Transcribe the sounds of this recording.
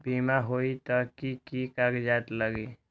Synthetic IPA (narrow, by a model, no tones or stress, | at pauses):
bimaɦoit̪əkikikaɡd͡ʒat̪ləɡi